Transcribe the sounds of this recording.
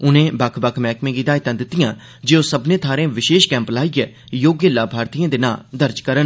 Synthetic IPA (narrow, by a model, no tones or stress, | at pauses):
ʊnẽːbəkʰbəkʰmɛːkmẽːɡid̪aːɪt̪ãːd̪ɪt̪ːɪjãː | d͡ʒeːoːsəbnẽːt̪ʰaːɾẽːʋɪʃeːʃkɛ̃ːmplaːiɡɛː | joːɡjəlaːbʱaːɾt̪iːãːd̪ɪna̰ːd̪əɾd͡ʒkəɾən